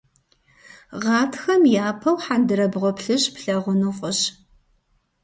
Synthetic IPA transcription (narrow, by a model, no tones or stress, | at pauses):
ʁɑːtʰxɐmjaːpʰɐwħandɨɾɐbʁʷɔpɬɨɕpɬɐʁʷʊnuːqʷʼʊɕ